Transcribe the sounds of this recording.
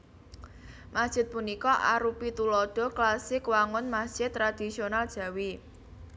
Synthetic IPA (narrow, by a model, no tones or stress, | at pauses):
masd̥ʒ̥ɪ̤t̪̚punikɔʔa̰ɾupit̪ulɔɖ̪̥ɔ̤klasɪkwaŋʊnmasd̥ʒ̥ɪt̪ːɾad̪̥i̤sionald̥ʒ̥ä̤wi